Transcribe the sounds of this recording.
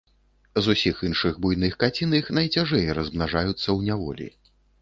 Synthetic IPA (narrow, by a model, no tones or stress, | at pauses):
zusʲixinʂɨɣbujnɨxkat͡sʲinixnɐjt͡sʲaʐɛjɾɐzmnaʐajut̪sːɐwnʲavɔ̰lʲḭ